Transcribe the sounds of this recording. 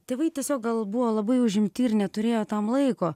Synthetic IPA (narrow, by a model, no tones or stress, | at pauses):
t̪ʲeːʋɐɪtʲiɛsʲoːk̚ɡɐlˠbuʋoːlˠɐbɐɪʊʒʲɪmʲt̪ʲiːɾnʲɛt̪ʊɾʲeːjoːt̪ɐmlˠɐɪkoː